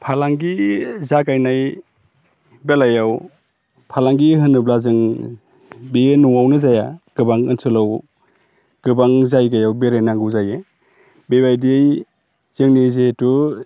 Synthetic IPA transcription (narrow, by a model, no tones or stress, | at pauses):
pʰalaŋɡizakajnaj | belajaw | pʰalaŋɡiɦɯnɯblazɯŋ | benuŋawnɯzajaɡ̥ɯbaŋɯnsɯlaw | ɡ̥ɯbaŋzajɡajawbeɾajnaŋɡɯwzaje | bebajdij | z̥ɯŋnizetu